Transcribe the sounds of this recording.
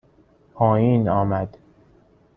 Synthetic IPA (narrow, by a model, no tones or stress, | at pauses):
pʰɒːjiːnɒːmæd̪̥